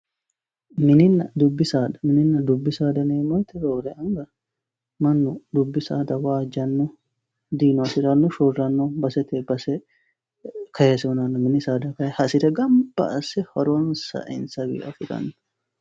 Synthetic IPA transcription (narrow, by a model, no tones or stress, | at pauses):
mɪnɪnːɐd̪ʊbːɪsaːd̪ɐ̥mɪnɪnːɐd̪ʊbːɪsaːd̪ɐneːmɔjt̪ɛɾoːɾɛɐŋɡɐ | mɐnːʊd̪ʊbːɪsaːd̪ɐwaːd͡ʒɐnːɔ | d̪iːnʊɐsɪɾɐnːɔʃɔrɐnːɔbɐsɛt̪ebɐsɛ | kʰɐhesɛɔnɐnːɔmɪnɪsaːd̪ɐkɐɛhɐsɪd̪ɛɡɐmbɐ̰ʔɐsɛhɐɾʊwɐnsɐ̰ʔɪ̰nsɐwḭːʔɐfɪd̪ɐ̰nːʊ